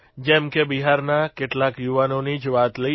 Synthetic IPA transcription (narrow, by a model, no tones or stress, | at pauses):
d͡ʒɛ̃ːmkebiɦaɾnakɪʈlakjuʋanõnid͡ʒʋat̪lə